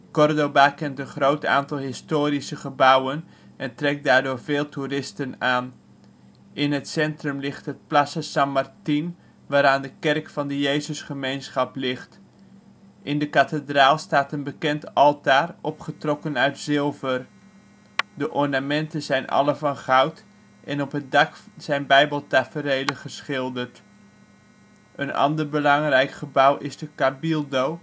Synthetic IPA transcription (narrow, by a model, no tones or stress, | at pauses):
kɔrdobakɛntənχrowta̰ːntɑlˠɦɪstoːɾisəχəbʌwən | ʔɛntrɛk̚daːɹdʊːɹvɪːlˠturɪstənaːn | ʔɪnɦətsɛntrɵmlɪχtɦət̚plasəsamartin | ʋaːɾaːndəkɛrkfɑndəjejzəsχəmejnsχɑplɪχt | ʔɪndəkatədraːlˠstaːtənbəkɛntɑlˠtaːrɔpχətrɔkənœɥtsɪlˠvər | dəʔɔɹnamɛntənzɛjnʔɑ̰ləvɑnχawt | ʔɛnɔpɦət̚dɑkz̥ɛjnbɛjbəlˠtafərejləχəsχɪlˠdərt | ʔənɑ̰ndəɹbəlɑŋrɛjkχəbawʔɪzdəkabilˠdow